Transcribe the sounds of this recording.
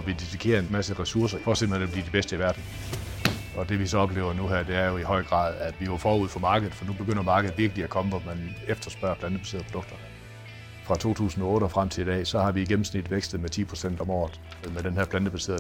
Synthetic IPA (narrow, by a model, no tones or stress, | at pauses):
ɒʋid̥idikʰe̝̰ːɐenmæsəʁɛsuɐs̬ɐfɒ̰sembl̩henb̥liɐdib̥esd̥əiʋæɐd̥n̩ | ɒ̽d̥e̝ʋisɒ̽ɒ̽b̥le̝ːʊɐnuɦæɐ̰d̥e̝æɐjo̝ihɒ̽ɪ̰ɡ̥ʁɑ̰̈ːð̞ˠæd̥ʋijo̝fɒːuð̰ˠfɒ̽mɑ̈ːɡ̥əð̩ˠfɒnub̥e̝ɡ̥øn̰ɐmɑ̈ːɡ̥əð̩ˠʋiɐɡ̥əliækʰɒ̽məʋɒmænefd̥ɐsb̥ɶɐ̰pʰlænd̥əb̥ʰæ̥sḭɐð̩pʰod̥ɔ̽ɡ̥̚d̥ɐ | fʁɑ̈t͡sʰo̝̰ːt͡sʰṵːsn̩ɒɔ̽ːɾəɒfʁam̰t͡sʰe̝lid̥ɛ̰ːsɒ̽hɑ̈ʋiɡ̥em̩snid̥ʋeɡ̥sd̥ð̩ˠmet͡sʰḭːpʰʁo̝sen̰d̥ɒ̽mɒ̰ːð̩ˠ | meɾenhæɐpʰlænd̥əb̥ʰæsḭɐ̰